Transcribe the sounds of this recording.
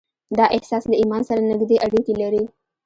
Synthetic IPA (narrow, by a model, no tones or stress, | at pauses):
d̪aʔehsasləimansaɾanəɡd̪eʔaɽikilaɾi